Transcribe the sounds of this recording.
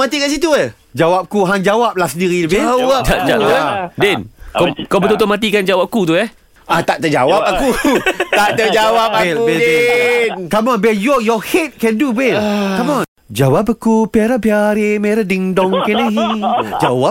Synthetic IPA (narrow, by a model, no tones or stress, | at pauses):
mat̪ikansit̪uə | d͡ʒawap̚kuɦand͡ʒawap̚lasədiɾiləbɪwt̪aʔd͡ʒaadɛnkkabət̪ut̪omãt̪ikand͡ʒawap̚kut̪uɛh | at̪aʔt̪əd͡ʒa̰wap̚akut̪aʔt̪əd͡ʒawap̚bɛlbɛ | kamɔnbɛjɔjɔhet̪̚kɛ̃ndubɛkamɔ | d͡ʒawapəkupiaɾabiaɾemɛɾadiŋdɔŋkɛnəɦid͡ʒawap̚